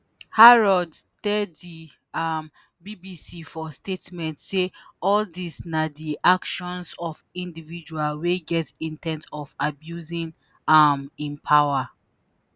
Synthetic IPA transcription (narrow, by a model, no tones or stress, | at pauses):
haɹɔdtɛddi | am | bibisifɔstetmɛ̃ntseɔldisnadiʔakʃɔ̃nsɔfĩndivid͡ʒualweɡɛtĩntʰɛ̃ntɔfabjuzĩn | amĩnpʰawa